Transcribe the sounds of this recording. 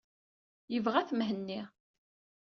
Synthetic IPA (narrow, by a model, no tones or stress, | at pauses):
jəvʁæθmɦənːi